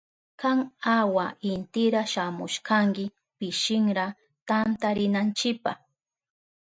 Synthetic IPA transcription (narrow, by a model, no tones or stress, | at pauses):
kaŋawaʔɪnt̪ɪɾaʃamʊʃkaŋkɪ | pɪʃɪŋɾa | t̪ant̪aɾɪnant͡ʃɪpɑ̰χ